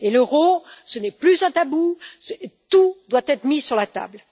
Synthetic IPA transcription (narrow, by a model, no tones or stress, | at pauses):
eləʁosənɛplyzɛ̃t̪abust̪ud̪wat̪ɛt̪χmisyʁlat̪a̰bl